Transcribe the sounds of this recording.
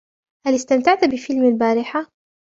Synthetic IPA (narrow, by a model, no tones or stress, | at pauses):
halɪst̪amt̪aʕt̪abɪfɪlmalbaːɾɪħa